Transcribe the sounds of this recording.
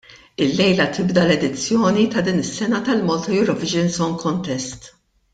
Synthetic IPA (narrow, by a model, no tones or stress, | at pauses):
ɪlːɛjlɐt̪ɪbd̪ɐlɛd̪ɪt͡sːjɔːnit̪ɐd̪iːnɪsːɛnɐt̪ɐlmɔlt̪ɔjʊɾɔvɪd͡ʒɛnsɔnkʰɔnt̪ɛst̪